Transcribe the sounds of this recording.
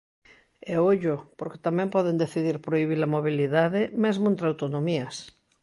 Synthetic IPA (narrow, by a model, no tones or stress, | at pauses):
eoʎopoɾke̥t̪amɛ̃mpɔðend̪eθiðiɾpɾoiβ̞ilɐmoβ̞iliðaðɪmezmoẽnt̪ɾawt̪onomiɐs